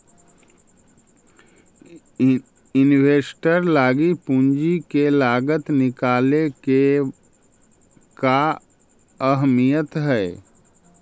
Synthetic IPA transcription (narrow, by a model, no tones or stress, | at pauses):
ɪnweːsʈəɾlaːɡipũnd͡ʒikelaːɡət̪nɪkaːleke | ka | əɦmijət̪ɦɛː